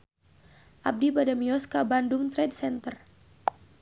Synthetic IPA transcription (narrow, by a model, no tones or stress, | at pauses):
ʔab̚dibadamiɔskabandʊŋt̪ɾɛdsɛnt̪ər